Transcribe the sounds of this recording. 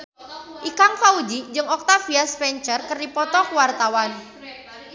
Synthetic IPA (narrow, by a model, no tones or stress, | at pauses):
ʔikaŋfaud͡ʒid͡ʒɨŋɔk̚t̪afiasfɛɲt͡ʃərkərdipɔt̪ɔkəwart̪awan